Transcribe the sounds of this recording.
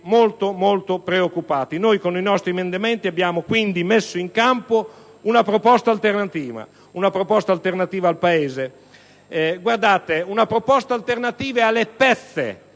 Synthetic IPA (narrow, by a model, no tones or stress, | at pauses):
molt̪omolt̪opɾeokːupaːt̪inojkoninɔst̪ɾimend̪emɛnt̪iabːjaːmokwind̪imesːoiŋkampo | unapɾopɔst̪alt̪ernat̪iːva̰ | unapɾopɔst̪alt̪eɾnat̪iːvaːlpaeːze | ɡward̪aːt̪eunapɾopɔst̪alt̪ernat̪iːvealepɛθːḛ